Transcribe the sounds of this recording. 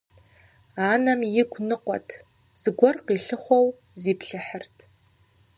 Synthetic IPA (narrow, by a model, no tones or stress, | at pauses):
aːnɐmjɪɡʷʰnɨqʷɔ̰tʰ | z̥ɨɡʷɔrqiɬɨχʷow | ziːpɬɨħərtʰ